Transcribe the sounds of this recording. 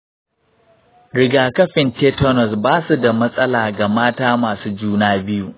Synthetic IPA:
ɾɪ˨ɡaː˨kɐ˦ɸɪ˨nteː˦tɔ˦nɔ˨sbaː˦su˨da˨mɐ˦sʼɐ˦laː˨ɡa˨maː˦taː˦maː˨suː˦d͡ʒuː˦naː˦bɪ˦ju˦˨

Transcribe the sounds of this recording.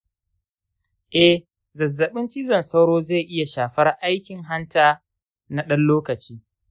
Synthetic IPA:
ʔɛ˨h | zɐ˨zːɐ˨ɓɪ˦nt͡ʃi˦zɐ˨nsɐ˦wɽoː˦za˦˨jʔɪ˦ja˨ʃaː˨ɸɐ˦rʔa˦jkʲɪ˨ŋɦa˦ntaː˦ | na˦ɗɐ˦nloː˦kɐ˨t͡ʃiː˦

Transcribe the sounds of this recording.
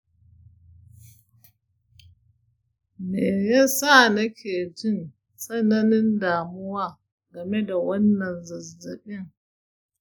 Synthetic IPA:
meː˨jaː˦sa˦˨nɐ˦kʲʰeː˨d͡ʒɪ˦n | sʼɐ˦nɐ˦nɪ˦ndaː˨mʊ˦waː˦ | ɡɐ˨me˦da˨wɐ˦nːɐ˨nzɐ˨zːɐ˨ɓɪ˦ŋ

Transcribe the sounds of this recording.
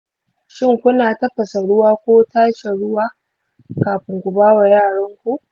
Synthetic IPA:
ʃɪ˦ŋkʷʊ˦naː˨tɐ˦ɸɐ˨sa˨ɽʊ˦waː˦kʷoː˦taː˦ʃe˨ɽʊ˦waː˦ | kaː˨ɸɪ˨ŋɡʷʊ˨baː˦wa˨jaː˦˨ɽɐ˦ŋkʷu˦ʔ

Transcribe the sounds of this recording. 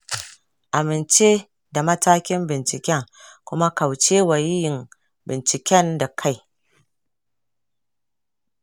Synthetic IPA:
ʔa˨mɪ˨nt͡ʃe˦ | da˨mɐ˦taː˦kʲɪ˦mbɪ˨nt͡ʃɪ˨kʲɛ˦ŋkʷʊ˦ma˦ka˨wt͡ʃe˦wa˨jɪ˦jɪ˨m | bɪ˨nt͡ʃɪ˨kʲɛ˦nda˨kʰa˦j

